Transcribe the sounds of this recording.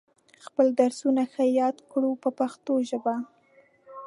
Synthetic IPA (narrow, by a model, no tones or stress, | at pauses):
xpəld̪aɾsunaxajɑd̪kɽupəpaxt̪oʒəba